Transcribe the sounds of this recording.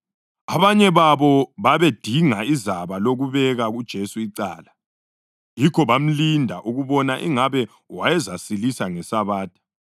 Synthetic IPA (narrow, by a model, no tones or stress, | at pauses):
aβaɲɛβaβɔβaβed̥ʱiŋaizaβaloɣuβɛɣaɣud̥ʒ̥ʱesuiǀa̰ːla | jikʰɔβam̩lindʱaʔuɣuβɔnaʔḭŋaβɛ | wajɛzasilisaŋɛsaβaːtʰʼḁ